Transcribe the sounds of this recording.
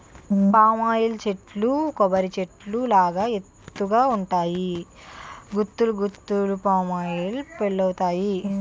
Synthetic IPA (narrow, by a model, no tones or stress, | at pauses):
paːmaːjilt͡ʃe̞ʈlukɔbɐɾit͡ʃe̞ʈlulaːɡaːet̪ːuɡaːuɳʈaːji | ɡut̪ːuluɡut̪ːulupaːmaːjilpeɭːɐwɐt̪aːji